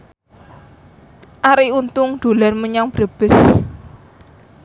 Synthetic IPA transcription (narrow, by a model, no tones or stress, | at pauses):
ʔaɾiunt̪ʊŋd̪̥o̤larməɲaŋb̥ɾa̤b̥ɪ̤s